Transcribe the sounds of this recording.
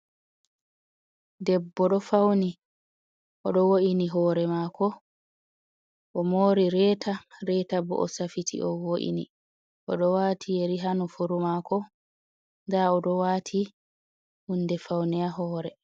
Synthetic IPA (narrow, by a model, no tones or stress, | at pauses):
dɛbːɔɗɔfawni | ʔɔɗɔwoʔiniɦɔːɾɛmaːkʰɔ | ʔɔmoːɾiɾɛːtʰaɾɛːtabɔ̰ʔɔ̰safitʰḭʔɔwoʔḭnḭ | ʔɔɗɔwaːtʰijeɾiɦanɔfuɾumaːkɔ | ndaɔɗɔwaːtʰi | hunːdɛfawniaɦɔːɾɛ